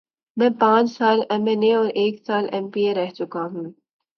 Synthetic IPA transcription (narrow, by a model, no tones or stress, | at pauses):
mɛ̃ːpãːt͡ʃsaːlɛmɛneɔːɾʔeːksaːlɛ̃mpieɾɛɦt͡ʃʊkaɦũː